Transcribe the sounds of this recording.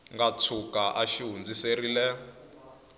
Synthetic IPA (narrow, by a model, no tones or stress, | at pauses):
ŋɡat͡sʰukaʔaʃiɦund͡ziserilɛ